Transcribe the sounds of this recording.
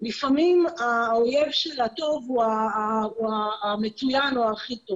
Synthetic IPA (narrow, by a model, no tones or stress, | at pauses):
lifamimaoje̞vʃelato̞vuauaːmet͡sujanoaχito̞v